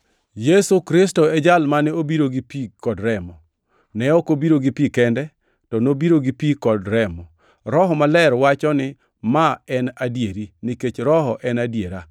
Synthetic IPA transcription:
jesukɾɪs̬tɔɛd͡ʒalmanɛobiɾoɡipikɔdɾɛmɔ | nɛɔkobiɾoɡipikɛndɛ | tɔnobiɾoɡipikɔdɾɛmɔ | ɾɔɦɔmalɛɾwat͡ʃɔnɪ | maɛnadjeɾiniket͡ʃɾɔɦɔʔɛnadjeɾa

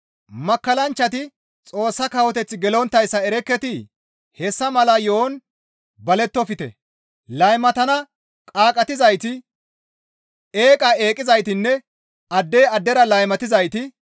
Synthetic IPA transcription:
mɐkːɐlɐnt͡ʃːɐt̪ɪ | t͡sʼo̞ːsːɐkɐwɔt̪ɛt͡sːɪɡɛlɔnt̪ːɐjsːɐɛɾɛkːɛt̪ɪ | hɛsːɐmɐlɐjoːn | bɐlɛt̪ːɔfɪt̪ɛ̰ | lɐjmɐt̪ɐnɐ | kʼaːkʼɐt̪ɪzɐjt̪ɪ | eːkʼɐe̞ːkʼːɪzɐjt̪ɪnːɛ | ɐd̪ːeːɐd̪ːɛɾɐlɐjmɐt̪ɪzɐjt̪ɪ

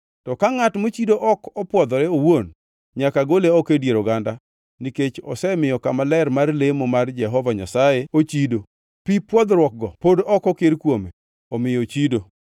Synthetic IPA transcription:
tɔkaŋatmot͡ʃidoʔɔkɔpwɔd̪ɔɾɛowon | ɲakaɡoleɔkedjeɾoɡanda | niket͡ʃɔsɛmɪjɔkamalɛrmarlemomard͡ʒɛɦɔvaɲa̰sajeot͡ʃido | pipwɔd̪ɾwɔk̚ɡɔpodɔkɔkeɾkwome | ɔmɪjɔt͡ʃido

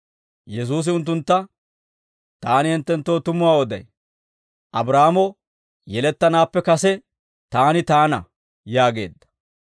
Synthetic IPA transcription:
jɛs̬uːs̬ɪʊnt̪ːʊnt̪ːɐ | t̪aːnɪhɛnt̪ːɛnt̪ːo̞ːt̪ʊmʊwaːwɔd̪ɐ̰j | ʔɐbɾaːmɔ | jɛlɛt̪ːɐnaːpːɛkɐsɛ | t̪aːnɪt̪aːnɐ̰ | jaːɡe̞̰ːd̪ːɐ̥

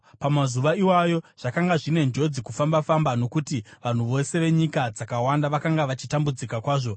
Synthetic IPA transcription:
pamazuʋaiwajo̞ʐ̥akaŋɡaʐine̞nd͡ʒo̞d͡zikufambafambano̞kutiʋan̤uʋo̞se̞ʋe̞ɲikad͡zakawandaʋakaŋɡaʋat͡ʃitambud͡zikakwaːʐo̞

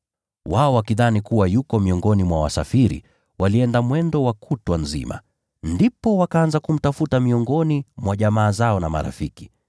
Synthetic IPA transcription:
waɔwakiðanikuwajukɔmiɔŋɡɔnimwawa̰sa̰fiɾḭ | waliɛndamwɛndɔwakʰutwanzḭma̰ | ndipɔwakaanzakum̩tafutamiɔŋɡɔnimwaʄamaːzaɔnama̰ɾa̰fiki̥

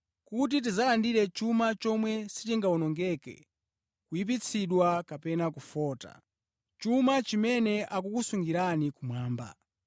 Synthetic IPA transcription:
kut̬it̬izalandiɾɛt͡ʃumat͡ʃɔmwɛsi̥tiŋɡaunɔŋɡɛkɛ̰ | kujip̬it͡sʰiɗwakapɛnakufɔːta̰ | t͡ʃumat͡ʃimɛnɛʔak̬ukusuŋɡiɾanikumwaːmba̰

